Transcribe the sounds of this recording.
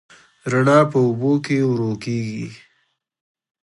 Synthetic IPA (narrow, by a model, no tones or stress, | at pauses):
ɾaɳɑpəʊbokewɾokeɡḭ